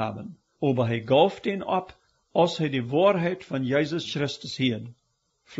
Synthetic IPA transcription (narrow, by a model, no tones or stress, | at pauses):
a̰ːbən | oːbəɦeɪɡɑlˠfdinɔp | ɐlˠsheɪdiːvɑːɾɦɛɪtfɔnjeɪzəsxɾɪstəshiəd | f